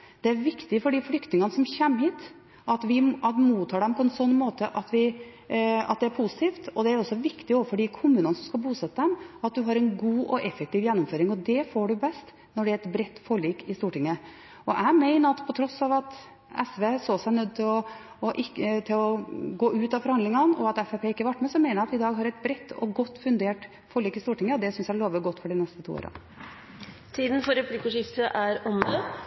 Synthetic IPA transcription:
d̪̥ɛæɾʋɪkt̪ɪfɔɖiːflʏkt̪nɪŋɑnəsɔmçɛmːhiːt̪ | ɑt̪ʋɪɑt̪muːt̪ʰːɑːɖɛmpʰɔɛnsɔnːmoːt̪əʔɑt̪ʋɪ | ɑ̰t̪̚d̪ɛæɾpʰusɪ̥t̪ʰiːft̪ɔd̪ɛæɾɔsːɔʋɪkt̪ɪɔʋfɔɖiːkʰʊmʉːnənəsɔmskɑlbuːsɛt̪ːəd̪ɛmɑt̪̚d̪ʉɦɑɾɛnɡuːʔɔʔɛfɛk̚t̪iːʋjɛnːɔmføːɾɪŋɔd̪ɛfoːɖʉbɛst̪ | nɔɖɛæɾɛt̪bɾɛt̪ːfoːɭiːkɪst̪uːʈɪŋːə | ɔʔæɪmæɪnəɾɑt̪pʰɔt̪ʰɾɔsːɑʋɑt̪ | ɛsʋeːsoːsæɪnœd̪ːt̪ɪlɔ | ɔʔɪkːət̪ʰɪlɔɡoːʉːt̪ɑfɔɾhɑnd̪lɪŋɑnɔ̰ɑt̪ɛfɛpʰeːɪkːəʋɑʈːmɛsɔmæɪnəjæɑt̪ɪd̪ɑːɡɦɑɾɛɪt̪̚bɾɛt̪ːɔ̰ɡɔt̪ːfʉnd̪eːʈ | fɔɭiːkɪst̪uːʈɪŋːəɔd̪ɛsʏnsjæɭoːʋəɡɔt̪ːfɔɖɪnɛst̪ət̪ʰṵːo̰ːɾɑ̰ | t̪ʰiːd̪n̩fɔɾɛpʰlikəʂɪft̪əʔæɾɔmd̪ə

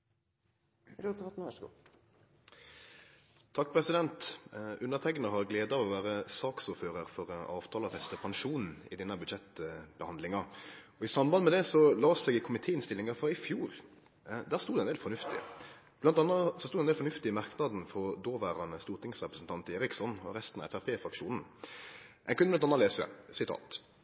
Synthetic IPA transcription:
ɾut̪ɑt̪nɡṵ | t̪ʰɑk̚ːpʰʁɛsɪd̪ɛnt̪ʉnːəʁt̪ʰɛɡnəɦɑʁɡleːd̪ɑɔʋæːɾəsɑːksuːɾføːʁəɾfɔʁɑːʋt̪ʰɑːlɑfɛst̪əpʰɑnʃuːnn̩ɪd̪ɛnːɑbʉd̪ʃɛt̪b̥əhɑnd̪lɪŋɑɔɪsɑmbɑnmɛd̪ɛsɔlɑːsɛɡɪkʰʊmɪt̪ʰeːɪnst̪ɪlːɪŋɑfɾɑɪfjuːɾ | d̪æːʁst̪ud̪ɛneːlfɔnʉft̪ɪ̰ | blɑnt̪ɑnːɑsɔsuːd̪ɛneɛlfɔnʉft̪ɪɪmɑʁknɑd̪n̩fɔʁd̪oːʋæːɾɑnəst̪uːʁt̪ɪŋsʁɛpɾəsn̩t̪ʰɑnt̪eːɾɪksɔnɔ̰ɾɛst̪n̩ɑ̰ɛfæpʰeːfɾɑkʂuːnn̩ | ʔɛnkʉnblɑnɑnɑleːsə̰sɪt̪ʰɑ̰ːt̪

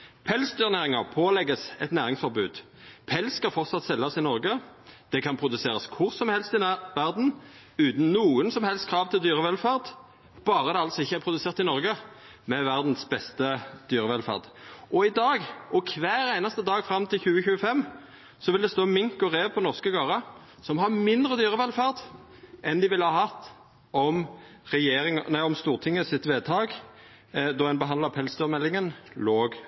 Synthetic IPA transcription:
pʰɛlsd̪yːʁnæːʁɪŋɑpʰoːlɛɡːəsɛ̰t̪næːʁɪŋsfɔʁbʉːd̪̥ | pʰɛlskɑfɔʁt̪sɑt̪sɛlːɑsɪnɔʁɡəd̪̥ɛkʰɑnpʰʁʊd̪ʉseːʁɑskʰʊʁsɔmhɛlst̪ɪʋæʁd̪n̩ | ʉːt̪n̩nuːənsɔmhɛlst̪kʰʁɑːʋt̪ʰɪld̪yːʁəʋɛlfæʁd̪ | b̥ɑːʁəd̪ɛɑlt̪sɔɪçːəæʁpʁʊd̪ʉseːʁt̪ɪnɔʁɡə | mɛʋæʁd̪n̩sbɛst̪əd̪yːʁəʋɛlfæ̰ʁd̪ʔɔɪd̪ɑːɡʔɔkʰʋæːʁæɪnɑst̪əd̪ɑːɡfɾɑmt̪ʰɪlçʉːəçʉːəfɛmː | sɔʋɪld̪ɛst̪oːmɪŋkɔʁeːʋpʰɔnɔʁskəɡɑːʁɑ | sɔmɦɑmɪnd̪ʁəd̪yːʁəʋɛlfɑʁd̪ | ʔɛnd̪ɪʋɪlhɑːhɑt̪ː | ɔm | ʁɛjeːɾɪŋnæɪɔmst̪uːʁt̪ʰɪŋːəsɪt̪ʋeːd̪t̪ʰɑːɡ | d̪ɔɛnbəɦɑnd̪lɑpʰɛlsd̪yːʁmɛlːɪŋənloːɡ

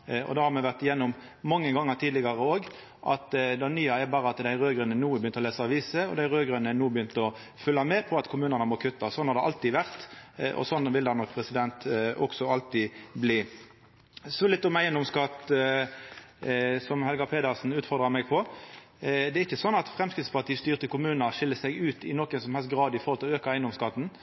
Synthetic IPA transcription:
ɔ̰d̪ɑːhɑɾmɛʋæʁʈ̪ɪjɛnːʊm | mɑŋːəɡɑŋːəɾt̪ʰiːd̪ɪɡɑʁəoːɡ | ʔɑ̰t̪d̪ɛɑnyːɑɛɾbɑːɾəɑt̪d̪æɪʁøːɡɾʉnənuːbəjʏnt̪əɾɔleːsəɑʋiːsəɔ̰d̪æɪʁøːɡɾʉnənuːbjʏnt̪əɔ | fʉlːɑmɛpʰɔɑt̪kʰʊmʉːnənəmɔkʰʉt̪ːɑsɔnhɑɾd̪ɛʔɑlt̪iːʋæʁt̪ʔɔ̰sɔnːʋɪld̪ɑnɔkːpʰʁɛsɪd̪ɛnt̪ɔksɔɑlt̪iːbliː | sɔlɪt̪ːɔmæɪənd̪ɔmskɑt̪ | sɔmhɛlɡɑpʰeːd̪ɑʁsn̩ʉːt̪fɔʁd̪ɾɑmɛɡpʰɔ | d̪ɛɾɪçːəsɔnːɑt̪fʁɛmskʁɪt̪spɑʁt̪ʰiːst̪yːʁət̪ʰɪkʊmʉːnəʁʂɪlːəsɛɡʉːt̪ɪnɔkːɛnsɔmhɛlst̪̚ɡʁɑːd̪ɪfɔɾhɔlt̪ɪløːkɑæɪnɔmskɑt̪ːn̩

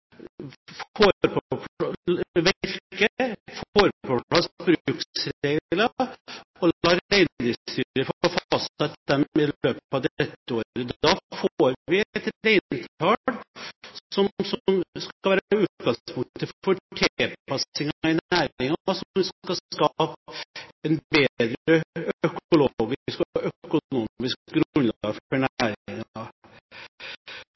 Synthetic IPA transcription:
foːɾpʰɔp | ʋɪɾkəfoːɾpɔlɑsbɾʉːksɾeɡlɑ | ɔlɑːɾeɪnd̪ɪst̪yːɾəɾfɔfɑst̪ɑt̪ːd̪ɛmɪløːpɑd̪ɛt̪ːəoːɾəd̪ɑfoːɾʋɪt̪ɾeɪnt̪ʰɑlsɔmsɔmskɑlʋæːɾʉːt̪ɡɑŋspʰʊŋt̪ət̪ʰɪlfɔʈʰɛlpɑsɪŋɑɪnæːɾɪŋɑsɔʋɪsskɑkɑpɛnbeːd̪ɾəœkʊloɡɪskɔɔʔœkʊnuːmɪskɡɾnlɑ̰ːɡfɔɳæːɾɪŋ

